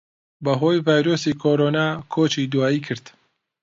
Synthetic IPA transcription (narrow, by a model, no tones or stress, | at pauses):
bɐɦoːjvaːjɾoːsiːkʰoːɾoːnaːkʰoːt͡ʃiːd̪waːiːkʰɨɾd̪